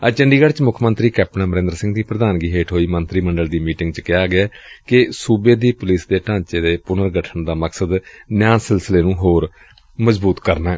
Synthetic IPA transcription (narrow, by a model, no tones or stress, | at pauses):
ət͡ʃəɳɖiːɡəɽt͡ʃmʊkʰmənt̪ɾiːkɛːpnãːməɾẽnd̪ɾsɪ̃ŋɡd̪iːpɾəd̪aːnɡiːɦeːʈʰɦoːiːmənt̪ɾiːməɳɖəld̪iːmiːʈɪ̃ŋɡt͡ʃkɪaːɡɪaːkɪsuːbeːd̪iːpʊlɪsd̪eːʈãːt͡ʃeːd̪eːpʊnəɾɡəʈʰəɳd̪aːməksəd̪nɪjãːsɪlsəleːnũːɦoːɾ | məzbuːt̪kəɾnaːɦɛː